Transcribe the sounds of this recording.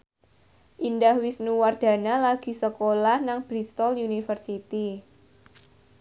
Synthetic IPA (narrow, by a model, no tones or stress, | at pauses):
ʔindahwisnuward̪̥ä̤nalaɡ̥i̤səkolahnaŋb̥ɾist̪ɔljunifərsit̪i